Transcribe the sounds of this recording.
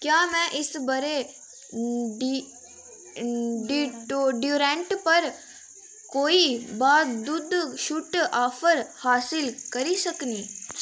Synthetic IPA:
kjaːmɛ̃ʔɪsbɐɾe | ɖi | ɖiʈoɖjuːɾẽɳʈpɐɾ | koːibaːd̪ʊd̪ʱʃuʈaːfʰəɾhaːsɪlkɐɾisɐknĩː

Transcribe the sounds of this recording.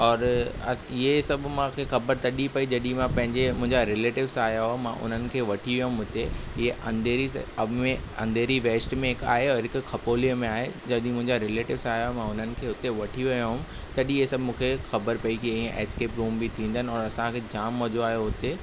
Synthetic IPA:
ɔːɾɐɪɦesɐbʱmãkʰexɐbəɾt̪ɐɗipɐid͡ʑɐɗĩmãpɐ̃ɦɪ̃ɲd͡ʑemʊ̃ɦɪ̃ɲd͡ʑaɾɪleːʈɪʋsaːjaɦmã̰ʔʊ̰n̤ənɪ̆kʰeːʋɐʈʰiʋijoɦʊ̃mɦʊt̪eɪɦeʔɐ̃nd̪eːɾiɐbʱmẽɐ̰̃nd̪ʱeːɾiʋeːsʈmẽɦɪka̰ːɦeɔːɾɦɪkʊkʰɐpoːliəmẽaːɦed͡ʑɐɗĩmʊ̃ɦɪ̃ɲd͡ʑaɾɪleːʈɪʋsaːjaɦomãʊn̤ənɪ̆kʰeːɦʊt̪eʋɐʈʰiʋɐjaɦʊ̃m | t̪ɐɗiɦesɐbʱmũːkʰexɐbəɾpɐikiĩẽʔɛ̰ːskeːpɾuːmbit̪ʰĩːnd̪ənɪ̆ɔːɾɐsãkʰed͡ʑaːmːɐd͡ʑoaːɦjoɦʊt̪e

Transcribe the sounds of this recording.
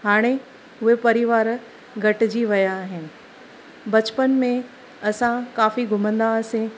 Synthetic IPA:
ɦaːɽ̃e | ʊɦepɐɾɪʋaːɾ | ɡʱɐʈɪd͡ʑiʋɐjaɦɪnɪ̆ | bɐt͡ɕpənmẽ | ɐsãkaːfiɡʱʊmə̃nd̪asẽ

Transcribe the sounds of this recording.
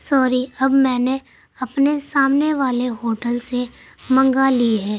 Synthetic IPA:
sɔːɾiɐbmɛ̃ːne | ɐpnesaːmneʋaːleɦoːʈəlse | mɐ̃ŋɡaliɦɛː

